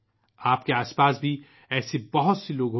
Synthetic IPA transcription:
aːpkeaːspaːsbʱi | ɛːsebɐɦʊt̪seloːɡɦ

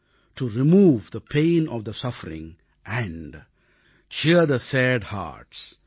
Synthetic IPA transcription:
ʈuɾimuːʋd̪əpʰẽːnɔʋd̪əsʌfəɾɪ̰̃ŋ | ʔæ̃ɳɖ | t͡ʃiəd̪əsæɖha̰ːʈs

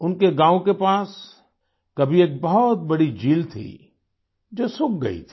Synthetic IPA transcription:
ʊnkeɡãːõkepaːs | kɐbʱieːk̚bɐɦt̪̚bɐɽid͡ʒiːlt̪ʰḭ | d͡ʒoːsʊk̚ɡɐ̰ḭt̪ʰi̥

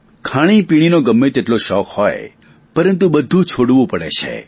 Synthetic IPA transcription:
kʰaɽ̃ipiɽ̃inoɡəmːet̪eʈloʃɔkhɔe | pəɾənt̪ubəd̪ʱũt͡ʃʰoɽʋũpəɽet͡ʃʰḛ

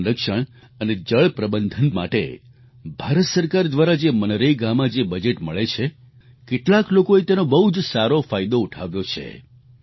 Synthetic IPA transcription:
ɾəkʃəɳ̃ | əned͡ʒəɭpɾəbənd̪ʱənma̰ʈḛ | bʱaɾət̪səɾkaɾd̪ʋaɾad͡ʒemənɾeiɡamad͡ʒebəd͡ʒeʈməɭet͡ʃʰe | keʈlaklokoet̪enobəɦud͡ʒsaɾofajd̪ouʈʰa̰ʋjot͡ʃʰḛ

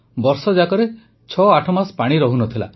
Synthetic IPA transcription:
bɔɾsɔd͡ʒakɔɾe | t͡ʃʰɔaʈʰɔmaspaɽ̃iɾɔɦunɔt̪ʰila̰

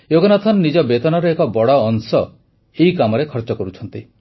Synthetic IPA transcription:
joɡɔnɔt̪ʰɔnnid͡ʒɔbet̪ɔnɔɾeekɔbɔɽɔːnsɔ | eikamɔɾekʰɔɾt͡ʃɔkɔɾut͡ʃʰɔnt̪i

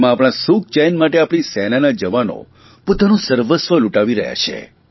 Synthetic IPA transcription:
mãːpɽ̃asuk̚t͡ʃɛjnmaʈeapɽ̃isɛnanad͡ʒəʋano̰ | pot̪anũsəɾʋəsʋəluʈaʋiɾə̰ɦja̰t͡ʃʰḛ

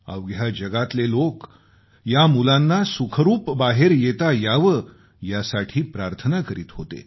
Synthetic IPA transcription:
ə̰ʋɡjad͡ʑəɡat̪lelok | jamulanːasukʰəɾuːpbaɦeɾjet̪ajaʋə | jasaʈʰiːpɾaɾt̪ʰənakəɾiːt̪ɦot̪ḛ

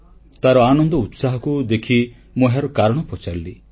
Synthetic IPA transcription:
t̪aɾɔanɔnd̪ɔut̪saɦɔkud̪ekʰi | moɦaɾɔkaɾɔɽ̃ɔpɔt͡ʃaɾli

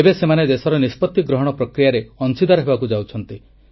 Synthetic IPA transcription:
ebesemaned̪esɔɾɔnispɔt̪ːiɡɾɔɦɔɽ̃ɔpɾɔkɾijaɾeɔnsid̪aɾɔɦebakud͡ʒawt͡ʃʰɔnt̪i

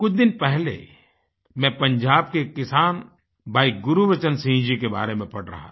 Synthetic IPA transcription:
kʊt͡ʃʰd̪ɪnpɛɦlḛ | mɛ̃pɐ̃ɲd͡ʒaːb̚kekɪsaːn | bʱaːiɡʊɾuʋɐt͡ʃənsĩːd͡ʒikeba̰ːɾemẽpɐɽɾɐ̰ɦa̰

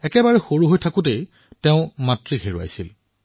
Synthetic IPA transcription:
ɛkɛbaɹɛxoɹuɦojtʰakʊ̃tej | teʊ̃matɹixʰeɹua̰jsil

